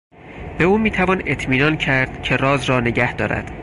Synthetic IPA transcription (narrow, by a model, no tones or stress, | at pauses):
b̥e̞uːmiːt̪ʰævɒne̞t̪ʰmiːnɒːncʰæɾd̪̥cʰe̞rɒːzɾɒːne̞ɟæhd̪ɒːɾæ̰d̪̥